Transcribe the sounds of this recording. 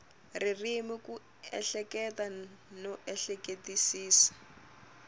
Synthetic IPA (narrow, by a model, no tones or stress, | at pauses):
ririmiku | ɛ̰ɬɛkɛta | nɔʔɛɬɛketisiːsḁ